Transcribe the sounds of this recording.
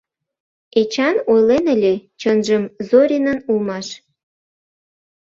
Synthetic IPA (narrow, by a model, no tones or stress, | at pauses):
et͡ɕɑnojlenəlʲet͡ɕənʒəmzoɾʲinənulmɑʃ